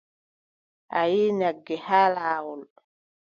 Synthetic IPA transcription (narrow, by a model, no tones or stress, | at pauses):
ʔajiːnaɡːɛhalaːɣul